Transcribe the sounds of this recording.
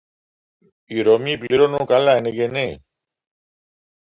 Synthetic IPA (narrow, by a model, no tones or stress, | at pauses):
iɾoːmiːpliɾoːnõːkalaeniɡeneː